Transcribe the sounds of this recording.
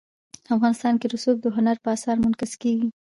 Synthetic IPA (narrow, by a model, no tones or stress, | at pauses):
əafɣɑnɪst̪ɑnkeɾʊsuk̚d̪əɦʊnaɾpəasɑɾmʊnkɪzkeɡi